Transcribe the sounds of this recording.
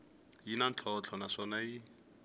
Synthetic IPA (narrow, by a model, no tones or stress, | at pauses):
jinant͡ɬʰɔt͡ɬʰɔnasɔnai